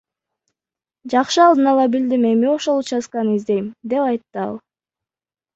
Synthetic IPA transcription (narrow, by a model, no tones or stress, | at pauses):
d͡ʒɑqʃɯɑlˠd̪ɯnɑlˠɑbild̪ime̞mio̞ʃo̞lˠut͡ʃɑsqɑnɯizd̪e̞jmd̪e̞pɑjt̪ːɯɑ̰lˠ